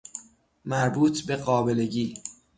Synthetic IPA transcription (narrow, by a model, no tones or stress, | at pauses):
mæɾbuːt̪ʰbe̞ɢɒːbe̞le̞ɟiː